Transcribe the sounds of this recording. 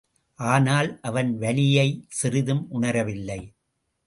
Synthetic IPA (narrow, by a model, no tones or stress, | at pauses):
ʔaːnaːlʔɐʋɐnʋɐlɪjɐɪsɪɾɪðɯmʔʊɳɐɾɐʋɪlːɐɪ